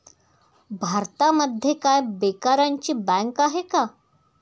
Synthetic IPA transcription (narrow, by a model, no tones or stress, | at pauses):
bʱaɾt̪aməd̪ʱjekajbekaɾaɲt͡ɕiːbɛ̃ŋkaɦeka